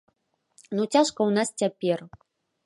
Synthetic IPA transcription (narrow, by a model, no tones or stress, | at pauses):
nut͡sʲaʂkɐwnast͡sʲapʲɛr